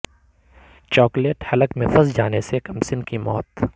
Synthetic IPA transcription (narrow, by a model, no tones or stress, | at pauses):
t͡ʃɔːkleːʈhɐləkmẽfɐzd͡ʒaːnesekɐmsɪnkimɔ̰ːt̪